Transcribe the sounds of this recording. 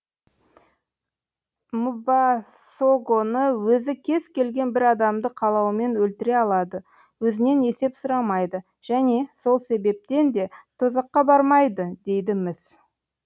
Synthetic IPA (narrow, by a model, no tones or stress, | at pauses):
mubɑ | soɡonəwɵzɪkʲʰe̞z̥kʲe̞lɡʲe̞nbɪɾɑd̪ɑmd̪əqʰɑlˠɑwəme̞nwɵlt̪ɪɾe̞ɑlˠɑd̪ə | wɵzɪne̞ne̞se̞psʊɾɑmɑjd̪ə | ʒ̥æne̞so̞lˠse̞be̞p̚t̪e̞nd̪e̞t̪ʰozɑqːɑbɑɾmɑjd̪əd̪e̞jd̪ɪmɪs